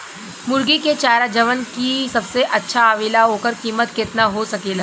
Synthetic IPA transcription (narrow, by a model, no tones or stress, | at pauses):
mʊɾɡiket͡ʃaːɾad͡ʒɐʋənkisɐbseʔɐtːʃʰaaːʋiːlaɦoːkəɾkiːmət̪kɪt̪naɦosɐkeːlaː